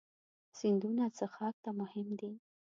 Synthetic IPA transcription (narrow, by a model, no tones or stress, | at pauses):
sind̪unat͡səxɑk̚t̪amʊhɪmd̪i